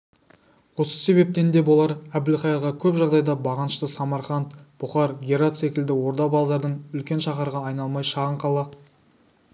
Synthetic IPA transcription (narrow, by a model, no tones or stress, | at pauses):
wo̞sə̥se̞βe̞p̚t̪e̞nd̪e̞bo̞lˠɑɾæbɪlχɑjɑɾʁɑkʲʰɵpʒɑʁd̪ɑjd̪ɑbɑʁɑnəʃt̪əsɑmɑɾχɑnt̪b̥ʊχɑɾɡʲeɾat̪se̞kʲɪld̪ɪwo̞ɾd̪ɑbɑlˠzɑɾd̪əɴʏlkʲe̞nʃɑχɑɾʁɑːjnɑlˠmɑjʃɑʁəɴqʰɑlˠɑ